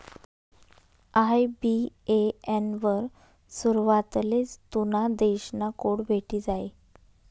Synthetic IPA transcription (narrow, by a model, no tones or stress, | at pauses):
ajbieenʋəɾ | suɾʋat̪let͡st̪unad̪eɕnakoɽbʱeʈʰid͡zaj